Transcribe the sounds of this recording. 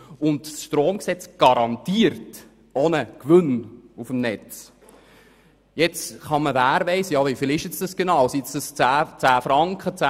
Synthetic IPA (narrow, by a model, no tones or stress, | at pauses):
ʊndsʃtroːmksɛt͡sɡ̥ɑɾɑntiːəɾt | onəkʋʏnufəmnɛt͡s | jɛt͡sχɑməvæːɾʋɛɪsəjɑʋɛfɪlɪʃɪt͡sd̥ɑsɡ̥enɑwsjet͡sd̥əst͡sæːt͡sæːfɾɑŋkχət͡sæ